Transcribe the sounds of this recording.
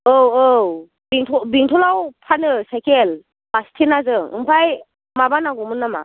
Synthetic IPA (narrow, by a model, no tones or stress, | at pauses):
owow | biŋtʰɔbiŋtʰɔlawpʰanɯsajkel | bastʰenazɯŋɯ̰mpʰaj | mabanaɡɔmɯnːama̰